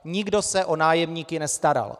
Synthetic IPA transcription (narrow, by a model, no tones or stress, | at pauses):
ɲɪɡdo̞sɛʔonaːjɛmɲiːkɪnɛst̪aɾa̰l